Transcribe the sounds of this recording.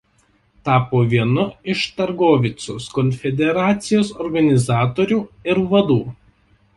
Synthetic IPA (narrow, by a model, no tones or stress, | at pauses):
t̪ɑːpoːʋʲiɛnʊɪʃt̪ɐɾɡoːʋʲɪt̪sʲoːskɔnʲfʲɛd̪ʲɛɾɑːt̪sʲɪjoːsɔɾɡɐnʲɪzɑːt̪oːɾʲuːɪɾʋɐd̪uː